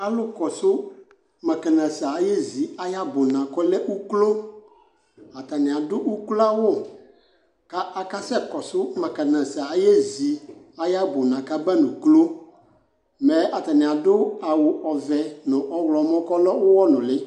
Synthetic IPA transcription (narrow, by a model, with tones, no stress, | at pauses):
a˨lʊ˦kɔ˨sʊ˦ | mɛ˨kɛ˨nã˨sa˨˦je˦zi˨a˦ja˦bʊ˨nã˨kɔ˦lɛ˦ʔu˦klo˦ | a˨ta˨nɪ̃˨a˨dʊ˦ʔu˦kla˦wʊ˦˨ | ka˦ʔa˨ka˦sɛ˦kɔ˨sʊ˦mɛ˨kɛ˨nã˨sa˨˦je˦zi˨ | a˨ja˦bʊ˨nã˨ka˦bɛ˦nʊ̃˨klo˦ | mɛ˨ʔa˨ta˨nɪ̃˨a˨dʊ˦a˨wʊ˨ɔ˨vɛ˨nʊ̃˨ʔɔ˦wlɔ˨mɔ̃˦kɔ˦lɔ˦wʊ˦wɔ˦nʊ̃˨lɪ˦